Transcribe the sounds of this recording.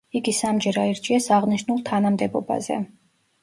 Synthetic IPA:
iɡisamd͡ʒɛɾaiɾd͡ʒʼiɛsaʁniʃnulˠt̪ʰanamd̪ɛbɔ̰ba̰zɛ̰

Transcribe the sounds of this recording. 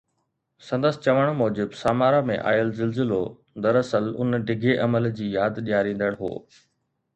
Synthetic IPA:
sɐ̃nd̪əsɪ̆t͡ɕɐʋəɽ̃mɔːd͡ʑɪbsaːmaːɾamẽʔa̰ːjəlzɪlzɪlo | d̪ɐɾɐsəlʊ̰nɖʱɪɡʱeʔɐməld͡ʑiːjaːd̪ɗijaːɾĩːn̆d̪əɽ̃ɦo̰ː

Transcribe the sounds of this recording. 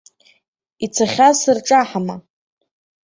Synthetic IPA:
it͡sʰaχʲasɨrʈ͡ʂʼaħama

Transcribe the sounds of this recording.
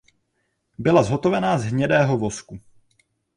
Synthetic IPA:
bɪlazɦo̞t̪o̞vɛnaːzɦɲɛdɛːɦo̞vo̞sku

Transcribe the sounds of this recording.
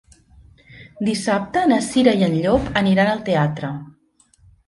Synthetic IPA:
d̪isap̚t̪əːnəsiɾəjiənʎopəniɾanəlˠt̪eat̪ɾə

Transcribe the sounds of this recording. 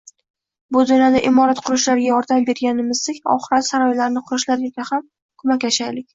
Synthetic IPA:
bʊd̪ʊnjɒd̪aʔɪmɒɾat̪qʰʊɾʊʃlaɾɡʲajɒɾd̪ambe̞ɾɡʲanɪmɪzd̪ɪkʲɒ̰χɨɾat̪saɾɒjlaɾnɪqʰʊɾɪʃlaɾjokʲʰaham | kʰʊmakʲaʃajlɪkʲ

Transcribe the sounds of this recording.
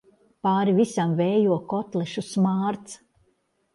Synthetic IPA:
paːɾivisamvɛːjuɔkɔt̪lˠɛʃusmaːɾt̪s

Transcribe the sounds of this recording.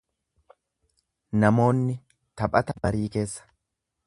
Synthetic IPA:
nɐmo̞ːnːɪ | t̪ɐpʼɐt̪ɐbɐɾiːke̞ːsːɐ̥

